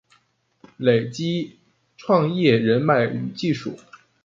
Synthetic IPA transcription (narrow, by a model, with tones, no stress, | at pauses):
le˨˩ɪt͡ɕi˥ | ʈ͡ʂʰwɑ˥˧ŋjɛ˥˩ɻə˧˥nma˥˩ɪy˧˥t͡ɕi˥˧ʂṵ˥˩